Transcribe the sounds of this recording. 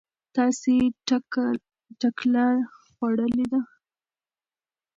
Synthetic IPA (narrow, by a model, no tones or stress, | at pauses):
t̪ɑse | ʈaklɑɾxwaɽəled̪a